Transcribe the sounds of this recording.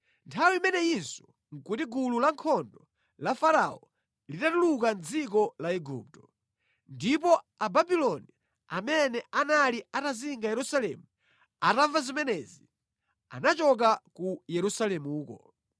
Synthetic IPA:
ntʰawiimɛnɛinsɔ̥ | ŋ̩kutiɡululaŋkʰɔndɔ | lafaɾaɔ | litatulukand͡zik̬ɔlaɛɡṵp̚tɔ̥ | ndip̬ɔ | ababilɔni | amɛnɛʔanaliataziŋɡajɛɾusalɛmu | atavazimɛnɛzi | a̰nat͡ʃɔk̬akujɛɾusalɛmuːkɔ

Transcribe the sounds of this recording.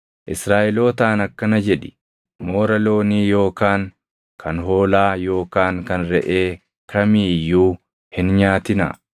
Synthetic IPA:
ʔɪsɾaːʔɪlo̞ːt̪aːnɐkːɐnɐd͡ʒɛᶑɪ̥ | mo̞ːɾɐlo̞ːniːjo̞ːkaːŋ | kʰɐnɦo̞ːlaːjo̞ːkaːŋkɐnɾɛʔe̞ː | kʰɐmiːjːuː | hɪnɲaːt̪ɪnɐ̰

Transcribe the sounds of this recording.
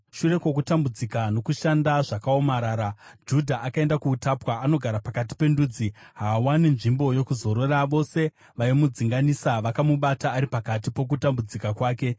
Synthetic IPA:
ʃure̞kwo̞k̬utambud͡zikano̞kuʃandaʐakao̞maɾaːɾad͡ʒudʱaʔakae̞ndakuːtapwaano̞ɡʱaɾapakat̬i̥pe̞nduːd͡ziɦaːwaninʐimbo̞jo̞kuzo̞ɾoraʋo̞se̞ | ʋaimud͡ziŋɡanisaʋakamuɓataːɾipakat̬ipo̞k̬utambud͡zikakwaːke̞

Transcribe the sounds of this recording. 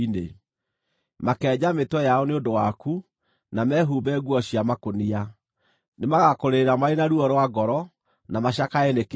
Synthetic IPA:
inḛ | makɛːd͡ʑametwɔjaɔneondowaku | namɛːɦuːbɛɡwɔɕiamakonia | nemaɣakoɾeeɾamaenaɾuɔɾwaɡɔɾɔ | namaɕakaɛnek

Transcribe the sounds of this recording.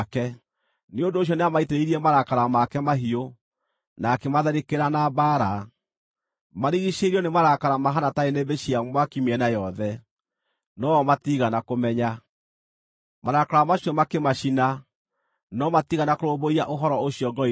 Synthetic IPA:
kɛ | neondoːɕ̬jɔneamaiteɾeiɾiɛmaɾakaɾamakɛmaɦio | nakemaðɛɾekeɾanabaɾa | maɾiɣiʃeɾiɔnemaɾakaɾamaɦanataenebeʃiamwakimiɛnajɔðɛ | nɔmatiɣanakomɛɲa | maɾakaɾamaɕjɔmakemaʃina | nɔmatiɣanakoɾoboiaʔoɦɔɾɔoɕiɔɡɔ

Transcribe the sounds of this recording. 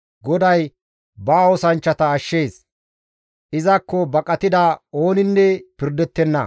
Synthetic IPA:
ɡɔd̪ɐj | baːɔsɐnt͡ʃːɐt̪ɐːʃːe̞ːs | ʔɪzɐkːɔbɐkʼɐt̪ɪd̪ao̞ːnɪnːɛpɪɾd̪ɛt̪ːɛnːɐ̰

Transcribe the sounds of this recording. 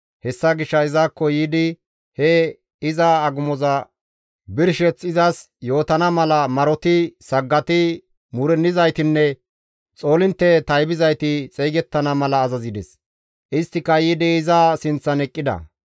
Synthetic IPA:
hɛsːɐɡɪʃːɐɪzaːkːɔjiːd̪ɪ | hɛ | ɪzɐːɡʊmɔzɐ | bɪɾʃɛt͡sɪzɐs | jo̞ːt̪ɐnɐmɐlɐmɐɾɔt̪ɪsɐɡːɐt̪ɪ | mʊɾɛnːɪzɐjt̪ɪnːɛ | t͡sʼo̞ːlɪnt̪ːɛt̪ɐjbɪzɐjt̪ɪt͡sʼɛjɡɛt̪ːɐnɐmɐlɐːzɐzɪd̪ɛs | ʔɪst̪ːɪkːɐjiːd̪ɪɪzaːsɪnt͡sːɐnɛkʼːɪd̪ɐ̰

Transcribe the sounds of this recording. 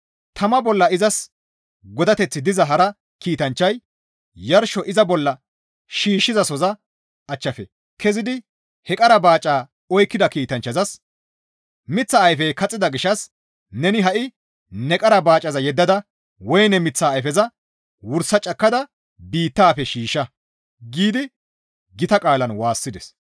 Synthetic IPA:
t̪ʰɐmɐbɔlːɐɪzɐs | ɡɔd̪ɐt̪ɛt͡sːɪd̪ɪzɐɦɐɾɐ | kiːt̪ɐnt͡ʃːɐj | jɐɾʃɔʔɪzɐbɔlːɐ | ʃiːʃːɪzɐsɔzɐ | ʔɐt͡ʃːɐfɛ | kʰɛzɪd̪ɪ | hɛkʼɐɾɐbaːt͡ʃʼːaː | ɔjkːɪd̪ɐkiːt̪ɐnt͡ʃːɐzɐs | mɪt͡sːɐːjfɛjkɐt͡sʼːɪd̪ɐɡɪʃɐs | nɛnɪɦɐʔɪ | nɛkʼɐɾɐbaːt͡ʃʼːɐzɐjɛd̪ːɐd̪ɐ | wɔjnɛmɪt͡sːaːjfɛzɐ | wʊɾsɐt͡ʃʼɐkːɐd̪ɐ | biːt̪ːaːfɛʃiːʃɐ | ɡiːd̪ɪ | ɡɪt̪ɐkʼaːlɐnwaːsːɪd̪ɛs

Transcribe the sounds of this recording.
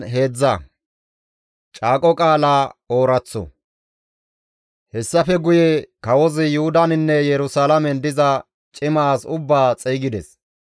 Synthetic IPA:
ɦe̞ːd͡zːɐ | t͡ʃʼaːkʼɔkʼaːlaːoːɾɐt͡sːɔ̰ | hɛsːɐfɛɡʊjɛkɐwɔzɪjʊhʊd̪ɐnɪnːɛjɛɾʊsalɐmɛnd̪ɪzɐ | t͡ʃʼɪmaːsʊbːaːt͡sʼɛːɡɪd̪ɛs

